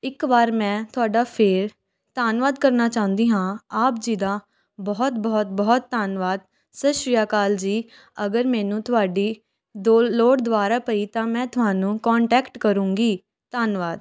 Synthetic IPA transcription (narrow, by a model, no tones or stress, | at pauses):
ɪkbaːɾmɛ̃ːt̪ʊaːɖaːpʰeːɾ | t̪aːnʋaːd̪kəɾnaːt͡ʃaːʊ̃nd̪iːɦãːaːpd͡ʒiːd̪ãː | bɔːt̪bɔːt̪̚bɔːt̪ːaːnʋaːd̪ | səʃɪjaːkaːld͡ʒiː | əɡəɾmɛːnũːt̪ʊɦaːɖiː | d̪oloːɽd̪ʊʋaːɾaːpəiːt̪ãːmɛ̃ːt̪ʊɦaːnũːkɔːɳʈɛːkʈkəɾũːŋɡiː | t̪aːnʋaːd̪̚